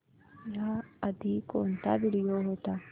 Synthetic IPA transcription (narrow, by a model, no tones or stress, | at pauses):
jaɐd̪ikoːnt̪aːbɪɽɪjoːɦoːt̪a